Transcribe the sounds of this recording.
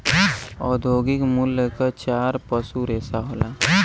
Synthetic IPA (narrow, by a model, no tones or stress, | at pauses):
ɔːd̪ʱoːɡɪkmʊlːekat͡ʃaːɾpəsuɾeːsaɦoːlaː